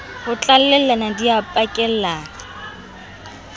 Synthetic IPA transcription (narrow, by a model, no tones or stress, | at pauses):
hʊt͡ɬʼallɛlɛnadiapʼakʼɛl̩laːŋa